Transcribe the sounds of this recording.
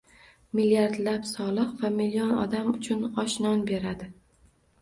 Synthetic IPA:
milijaɾd̪lapsɒlˠɨqvamilːijɒnɒ̰d̪amʊt͡ʃʰʊnɒʃnɒnbe̞ɾad̪ɪ

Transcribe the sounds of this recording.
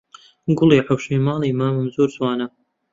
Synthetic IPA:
ɡʊlˠiːʕawʃiːmɑːlˠiːmaːmɨmzuːɾzwaːnɐ

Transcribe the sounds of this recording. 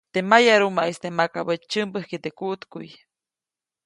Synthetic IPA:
t̪emajaɾumaʔest̪emakabət͡ʃt͡ʃɨmbəhkit̪ekuʔt̪kṵj

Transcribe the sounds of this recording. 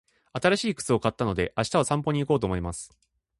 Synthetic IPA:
at̪aɾaɕiːkɯ̟̥t͡sɨo̞kat̪ːano̞d̪e̞ʔaɕi̥t̪aosãmpo̞ɲ̟iːko̞ːt̪o̞ːmo̞imasɨ̥

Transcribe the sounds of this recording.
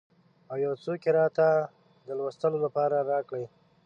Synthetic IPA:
awjɑwt͡sokeɾɑt̪a | d̪əlwəst̪əlolapɑɾaɾɑkɽəj

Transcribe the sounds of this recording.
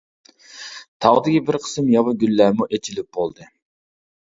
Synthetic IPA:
t̪ʰɑʁd̪ɡʲibiɾqʰə̥sɯmjɑβɯɡʲylːæmuʔet͡ʃilip̚bolˠd̪ɨ

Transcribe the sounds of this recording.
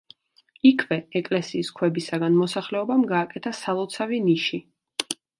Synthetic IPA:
ikʰvɛɛkʼlɛsiːskʰwɛbisaɡanmɔsaχlɛɔbamɡaːkʼɛt̪ʰasalˠɔt̪sʰaviniʃi

